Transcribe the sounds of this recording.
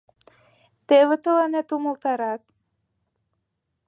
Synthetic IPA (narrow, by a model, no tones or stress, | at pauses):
t̪eβə̆t̪ɤ̆lɑnet̪umɤ̆lˠt̪ɑɾɑt̪